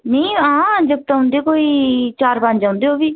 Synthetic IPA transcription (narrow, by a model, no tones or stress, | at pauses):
neĩãːd͡ʒəb̚t̪aɦʊ̃nd̪ekoːiːt͡ʃaːɾpaɲd͡ʒãːʊ̃nd̪eːoːbiː